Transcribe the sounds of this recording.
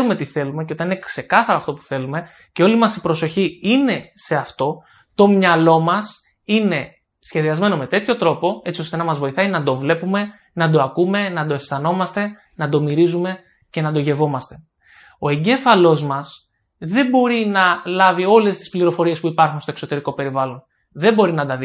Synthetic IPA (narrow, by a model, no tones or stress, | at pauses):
ɾume̞t̪iθe̞lume̞ceo̞t̪ɐninekse̞kɐθɐɾoɐft̪o̞pu̥θe̞lume̞ | ceo̞limɐsipɾo̞so̞çiine̞se̞ɐft̪o̞ | t̪o̞mɲɐlo̞mɐs | ine̞ | sçeðiɐzme̞no̞me̞t̪e̞t̪ço̞t̪ɾo̞po̞e̞t͡sio̞st̪e̞nɐmɐzvo̞iθɐinɐd̪o̞vle̞pume̞ | nɐd̪oɐkume̞nɐd̪o̞est̪ɐno̞mɐst̪e̞ | nɐd̪o̞miɾizume̞ | ce̞nɐd̪o̞ʝe̞vo̞mɐst̪e̞̥ | o̞e̞ɲɟe̞fɐlo̞zmɐs | ðe̞mbo̞ɾinɐlɐvio̞le̞st̪i̥spliɾo̞fo̞ɾie̞spuipɐɾxunst̪oe̞kso̞t̪e̞ɾiko̞pe̞ɾivɐlo̞n | ðe̞bo̞ɾinɐd̪ɐði